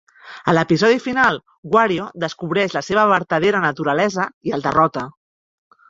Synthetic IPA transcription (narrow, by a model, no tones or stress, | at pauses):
ələpizɔðifinalˠ | ɡwaɾioðəskuβ̞ɾɛʃləseβəβəɾt̪əðeɾənət̪uɾəlɛzəiəlˠd̪ə̰rɔt̪ə